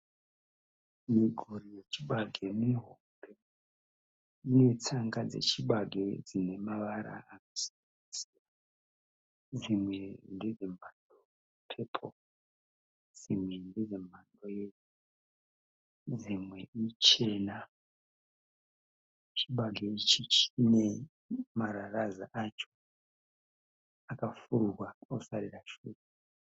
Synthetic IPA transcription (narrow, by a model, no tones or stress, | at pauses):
miɡʱuɾije̞t͡ʃiɓaɡʱemiɦombe̞ | ine̞t͡saŋɡad͡zḛt͡ʃiɓaɡʱe̞d͡zine̞maʋaɾa̰ːnosi̥nanisija | d͡zimwe̞nded͡zem̤ando | pʰepʰo̰ | d͡zimwendeʐe̞m̤andoje | d͡zimwe̞it͡ʃe̞na | t͡ʃiɓaɡʱeit͡ʃit͡ʃine̞ | maɾaraza̰ʔat͡ʃo̞̥ | akafuɾurwaosaɾiraʃuːre